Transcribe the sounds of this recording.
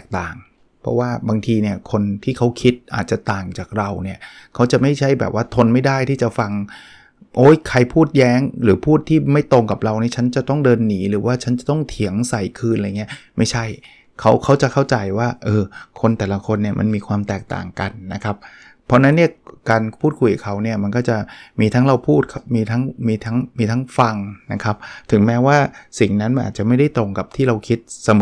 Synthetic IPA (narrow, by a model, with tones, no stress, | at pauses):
ɛː˨˩k̚t̪aː˨˩ŋ | pʰɔ̰˦˥waː˥˩baː˧ŋt̪ʰiː˧ni˥˩ɐkʰo˧nt̪ʰiː˥˩kʰa˦˥wkʰi˦˥t̪̚ʔa̰ː˨˩t̪̚t͡ɕa˨˩t̪aː˨˩ŋt͡ɕaː˨˩k̚ɾa˧wni˥˩ɐkʰa˦˥wt͡ɕa˨˩ma˥˩jt͡ɕʰa˥˩jbɛ̰ː˨˩p̚waː˥˩t̪ʰo˧nma˥˩jdaː˥˩jt̪ʰiː˥˩t͡ɕa˨˩fa˧ŋ | ʔoː˦˥jkʰa˧jpʰuː˥˩t̪̚jɛː˦˥ŋɾɯː˩˦pʰuː˥˩t̪ʰːiː˥˩ma˥˩jt̪o˧ŋka˨˩p̚ɾa˧wni˥˩t͡ɕʰa˦˥nt͡ɕa˨˩t̪ɔ˥˩ŋdɤː˧nːiː˩˦ɾɯː˩˦waː˥˩t͡ɕʰa˦˥nt͡ɕa˨˩t̪ɔ˥˩ŋt̪ʰi˩˦əŋsa˨˩jkʰɯː˧nʔa˧jŋi˦˥ɐma˥˩jt͡ɕʰa˥˩j | kʰa˦˥wkʰa˦˥wt͡ɕa˨˩ʔkʰa˥˩wt͡ɕa˧jwaː˥˩ʔɤː˧kʰo˧nt̪ɛː˨˩la˦kʰo˧nːi˥˩ɐmʔa̰˧nmiː˧kʰwaː˧mt̪ɛː˨˩k̚t̪a̰ː˨˩ŋka˧nːa˦˥kʰa˦˥p̚ʰː | ɔ˦˥na˦˥nːi˥˩ɐkaː˧npʰuː˥˩t̪̚kʰu˧jka˨˩kʰa˦˥wni˥˩ɐma˧nkɔː˥˩t͡ɕa˨˩miː˧t̪ʰaː˦˥ŋɾa˧wpʰuː˥˩t̪̚kʰa˥˩p̚miː˧t̪ʰa˦˥ŋmiː˧t̪ʰa˦˥ŋmiː˧t̪ʰa˦˥ŋfa˧ŋna˦˥kʰa˦˥p̚t̪ʰɯ˩˦ŋmɛː˦˥waː˥˩si˨˩ŋna˦˥nma˧nʔa̰ː˨˩t͡ɕa˨˩ma˥˩jda˥˩jt̪ɾo˧ŋka˨˩p̚t̪ʰiː˥˩ɾa˧wkʰi˦˥t̪̚sa˧m˨˩